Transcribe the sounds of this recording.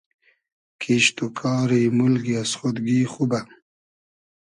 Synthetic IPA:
kʰiɕt̪ukʰɑːɾimulɡiasχot̪ɡiːχuba

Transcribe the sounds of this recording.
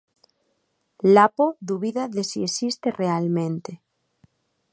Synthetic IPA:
lapoðuβiðaðesiesist̪erealmẽnt̪e

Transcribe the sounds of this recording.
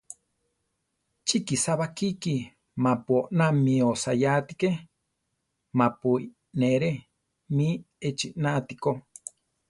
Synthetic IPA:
t͡ʃikisaβakiki | mãpuoʔnamĩosajat̪ike | mãpui | neɾe | mĩ | et͡ʃiʔnat̪iko

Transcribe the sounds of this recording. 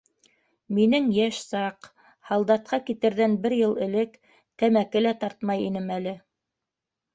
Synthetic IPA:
minɘŋjæʃsɑq | hɑlˠd̪ɑt̪̚qɑkit̪ɘ̆ɾðænbɘɾjɤlˠɘ̆lɘk | t̪æmækɘlæt̪ɑɾt̪mɑjinɘmælɘ

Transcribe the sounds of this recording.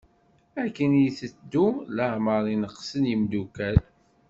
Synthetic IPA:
ækːənjθəd̪ːuləʕməɾˤinəqːsənjəmd̪ukæl

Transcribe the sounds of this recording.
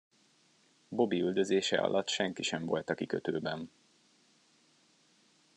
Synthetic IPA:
bo̞biyld̪ø̞zeːʃɛ̰ʔɒ̰lʔɒt̪ʃɛŋkiʃɛɱvo̞̰lt̪ɒkikøt̪ø̰ːbɛn

